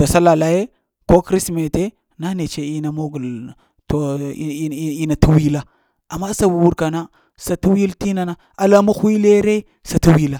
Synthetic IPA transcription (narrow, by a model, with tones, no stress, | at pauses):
do˨sa˦la˨la˦je˦ | ko˦kɾi˦sme˨te˦ | na˦ne˨t͡ʃe˦i˦na˨mo˦ɡu˨l | to˨˦ | i˦na˨tu˦wi˦la˦ | a˨mːa˦sa˨wi˨wu˦ɾka˨na˦ | sa˨tu˦wi˦lti˦na˨na˦ | a˨la˦mu˦xʷi˦le˦ɾe˦ | sa˨tu˦wi˦la˨